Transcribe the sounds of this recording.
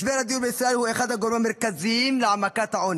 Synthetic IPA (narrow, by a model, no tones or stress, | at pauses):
ʃbeɾad̪ijuɾbeisɾaʔelhuexad̪haɡoɾemameɾkazimleʕamakat̪haʕon